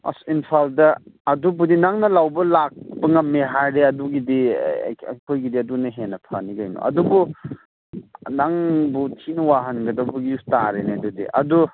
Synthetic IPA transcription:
ɐ̰sinpʰaldɐɐdubudinaŋnɐlawbɐlak̚pɐŋɐmeɦaɾɾeɐduɡidḭ | kʰojɡidiɐdunɐɦenɐpʰaniɡajnɔ̰ɐ̰dubu | naŋbutʰinɐwaɦɐnɡɐdɐbuɡistaɾenedudḭʔɐ̰du

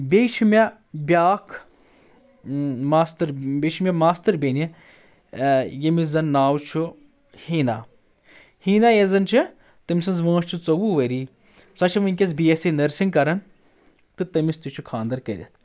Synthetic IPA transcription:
bʲejt͡ʃʰimʲɐ | bʲaːkʰ | maːst̪ɐɾbʲet͡ʃʰimʲɛmaːst̪ɐɾbʲeni | jɐmizɐnːaːwt͡ʃʰu | hiːna | hiːnajezɐnt͡ʃʰi | t̪ɐmʲsɐnzʋɐ̃ːʃt͡ʃʰut͡sɐwuʋɐɾiː | sɐt͡ʃʰɐmɐnʲkʲɐs̬biesenɐɾsiŋɡkɐɾɐn | t̪ɨt̪ɐmist̪it͡ʃʰukʰãːnd̪ɐɾkɐɾʲɐ̰t̪̚ʰ

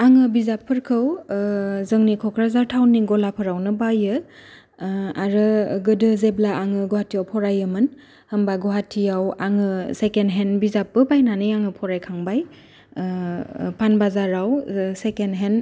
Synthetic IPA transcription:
aŋɯbizapʰːɯɾkʰɯw | zɯŋnikʰɔkʰɾazaɾtʰawnːiɡɔlapʰɯɾawnɯbajɯ | aɾɯɡɯdɯzeblaʔaŋɯɡɔɦatʰijawpʰɔɾajɯmɯn | həmbaɡɔɦatʰːijawaŋɯsekenɦenbizapːɯbajnanɯjaŋɯpʰɔɾajkʰaŋbaj | pʰanbazaɾawsekenɦen

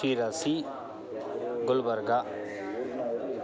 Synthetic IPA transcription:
iːɾasi | ɡʊlbəɾɡa

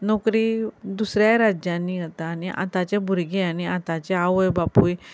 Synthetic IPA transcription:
nɔkɾiːd̪usɾjaɾad͡ʑãnːiːɡət̪aːniʔa̰t̪at͡ɕebʱuɾɡeañiat̪at͡ɕeaʋəjbapuːj

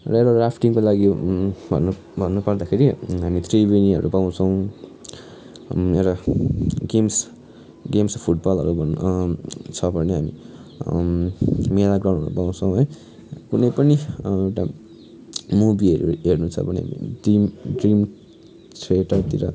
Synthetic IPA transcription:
rʌewɾarapʰʈiŋkolaɡibʱʌ̰nu | bʱʌnːupʌrd̪akʰeɾiɦamit̪ʰribiniʌ̰ɾupaw̃t͡sʰʌw̃ | ewʈa | ɡems | ɡemspʰuʈ̚bʌlɦʌ̰ɾubʱʌn | t͡sʰʌbʱʌneɦami | melaɡrãw̃nʱʌ̰ɾubaw̃t͡sʰʌw̃ɦʌj | kunʌjpʌniewʈa | mubiɦʌɾṵɦernut͡sʰʌ̰bʱʌnḭɦa̰mḭɖimɖrim | t͡sʰeʈʌt̪iɾʌ

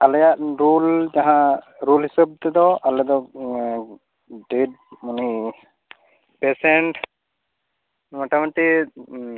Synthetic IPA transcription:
alɔjaʔɾuld͡ʒaɦãɾulɦisɔb̚t̪ɛd̪ɔʔalɛd̪ɔ | ɖeɖ̚ | muni | pɛsɛɳʈ | maʈamaʈi

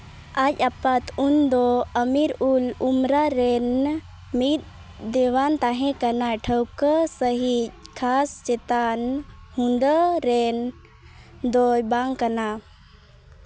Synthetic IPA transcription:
ad͡ʒapat̪ʰund̪oəmiɾulumɾaɾen | mit̪̚ | d̪eʋant̪aɦẽkənaʈʰəwkəsəɦikʰast͡ʃet̪anhũnd̪əɾen | d̪ojbaŋkəna

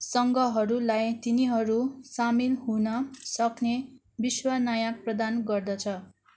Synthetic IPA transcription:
sʌŋɡʌɦʌɾulajt̪iniɦʌɾusamilɦunʌsʌkne | biswanʌjãprʌd̪anɡʌrd̪ʌt͡sʰʌ

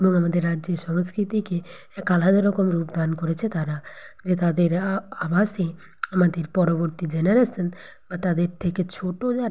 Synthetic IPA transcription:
eboŋamad̪eɾːadd͡ʒeɾʃɔŋskɾit̪ike | kːalad̪eɾɔkomɾupd̪ankoɾet͡ɕʰet̪aɾad͡ʑet̪ad̪eɾabase | amad̪eɾpɔɾoboɾt̪id͡ʒeneɾesɔn | bat̪ad̪eɾt̪ʰeket͡ɕʰoʈod͡ʒaɾ

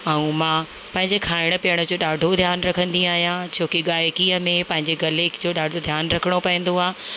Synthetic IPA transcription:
ɛũmãː | pɐ̃ɦɪ̃ɲd͡ʑekʰaːɪɽ̃ʊ̆piəɽ̃ʊd͡ʑoːɗaːɖʱod̪ʱjaːnɾɐkʰə̃nd̪ĩaːɦijãt͡ɕʰoːkiɠaːjkiːəmẽpɐ̃ɦɪ̃ɲd͡ʑeɡɐlekd͡ʑoːɗaːɖʱod̪ʱjaːnɾɐkʰəɽ̃opɐĩn̆d̪oaː

